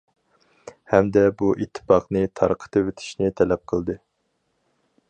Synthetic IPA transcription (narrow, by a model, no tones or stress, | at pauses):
hɛmd̪ɛbuʔit̪ʰːɨ̥fɑqnɨt̪ʰɑɾqʰə̥t̪ʰɨvet̪ʰɪ̥ʃnɪt̪ʰɛlɛp̚qʰəlˠd̪ɨ